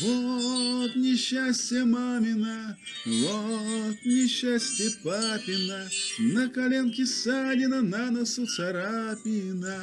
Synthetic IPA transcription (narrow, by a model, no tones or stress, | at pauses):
vo | t̪nʲɪɕːasʲtʲjɛmamʲɪna | vot̪nʲɪɕːasʲtʲjɛpapʲɪnanɐkɐlʲenkʲɪsadʲɪnɐnanɐsut̪sɐɾapʲina